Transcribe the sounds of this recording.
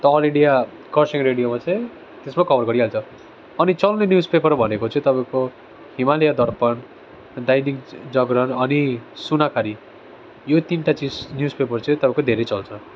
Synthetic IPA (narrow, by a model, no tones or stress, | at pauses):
t̪ʌʌlĩɖija | kʌrsiŋreɽijomat͡sʌ̃j̃ | t̪esmakʌbʌrɡʌɾiɦalt͡sʰʌ | ʌnit͡sʌlnenjud͡zpepʌrbʱʌnekot͡sʌ̃ĩt̪ʌpaĩko | himalejad̪ʌrpʌn | d̪ajnikd͡zʌɡɾʌnʌnisunakʰaɾi | jot̪inʈat͡siznjud͡zpepʌrt͡sʰʌ̃ĩt̪ʌpãẽkod̪ʱeɾet͡sʌlt͡sʰʌ